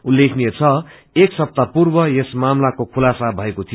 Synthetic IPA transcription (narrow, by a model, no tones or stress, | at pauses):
ulːekʰniet͡sʰʌ | eksʌp̚t̪apurbʌjesmamlakokʰulasabʱʌekot̪ʰijo